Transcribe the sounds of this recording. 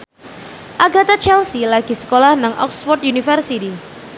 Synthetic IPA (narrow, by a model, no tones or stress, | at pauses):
ʔaɡat̪at͡ʃɛlsilaɡ̥i̤sə̥kolahnaŋʔɔ̰kswɔrt̪̚junifərsit̪i